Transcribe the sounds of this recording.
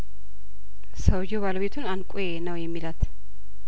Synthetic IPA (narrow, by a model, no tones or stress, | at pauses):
səwjeβaləβet̪ʰunankʷʼujenəwjɛmːilat̪